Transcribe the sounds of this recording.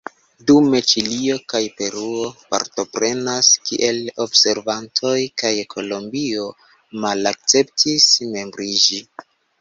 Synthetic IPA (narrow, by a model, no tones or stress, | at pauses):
dume̞t͡ʃilio̞kajpe̞ɾuo̞pa̰ɾto̞pɾe̞naskiʔe̞lo̞bse̞ɾvantʰo̞jkajkʰo̞lo̞mbio̞ | malak̚t͡se̞ptʰisme̞mbɾid͡ʒi